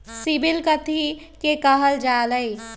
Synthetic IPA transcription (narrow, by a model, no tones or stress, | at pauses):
sibɪlkət̪i | kekɐɦəld͡ʒaːləi